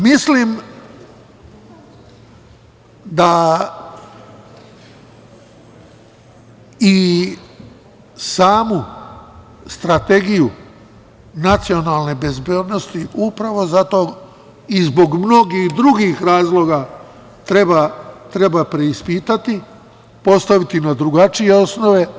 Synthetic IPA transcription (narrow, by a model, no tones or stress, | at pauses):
mislim | d̪a | i | saːmu | st̪ɾat̪e̞ɡiju | nat̪sio̞nalˠne̞be̞zbjeːd̪no̞st̪iupɾaʋo̞zat̪o̞ | izbo̞ɡmno̞ɡixd̪ɾuɡixɾaːzlˠo̞ɡa | t̪ɾebat̪ɾe̞bapɾe̞ispiːt̪at̪i | po̞st̪aʋit̪inad̪ɾuɡat͡ʃije̞o̞sno̞ʋe̞